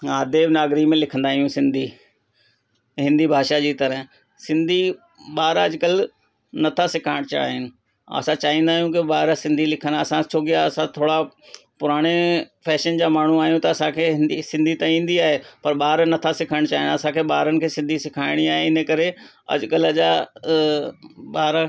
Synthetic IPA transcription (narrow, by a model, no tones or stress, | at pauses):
aːd̪eːbnaːɡɾimẽlɪkʰənd̪aːɦijũsɪ̃nd̪ʱi | ɦɪ̃nd̪ibʱaːʃad͡ʑiːt̪ɐɾəɦ | sɪ̃nd̪ʱi | ɓaːɾɐd͡ʑkəl | nɐt̪ʰasɪkʰaːɪɽ̃t͡ɕa̰ːɦɪnɪ̆ | ɐ̰sãt͡ɕaːɦĩːnd̪aːɦjũkɪɓaːɾsɪ̃nd̪ʱilɪkʰənɐsãt͡ɕʰoːk̬ɪjaɐsãt̪ʰoːɽapʊɾaːɽ̃efʰɛːʃənd͡ʑaːmaːɳ̤uaːɦijũt̪ɐɐsãkʰeːɦɪ̃nd̪isɪ̃nd̪ʱit̪ãĩːn̆d̪iaːɦepɐɾɓaːɾnɐt̪ʰasɪkʰəɽ̃t͡ɕaːɦɪnɐsãkʰeːɓaːɾənɪkʰeːsɪ̃nd̪ʱisɪkʰaːɪɽ̃iaːɦeɪnəkɐɾe | ɐ̰d͡ʑkəlɐd͡ʑa | ɓaːɾ